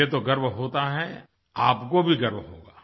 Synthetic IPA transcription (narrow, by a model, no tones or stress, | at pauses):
et̪̬oɡɐɾʋɦoːt̪aɦɛ | aːpkobʱiɡɐɾʋɦo̰ːɡaː